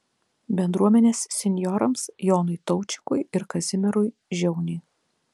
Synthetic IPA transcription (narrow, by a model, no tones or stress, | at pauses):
bʲɛnd̪ɾuɔmʲɛnʲeːssʲɛnʲjɔɾɐmsjɔːnʊɪt̪ɔʊt͡ʃʲɪ̥kʊjɪɾkɐzʲɪmʲɛɾʊj | ʒʲɛʊnʲɪɪ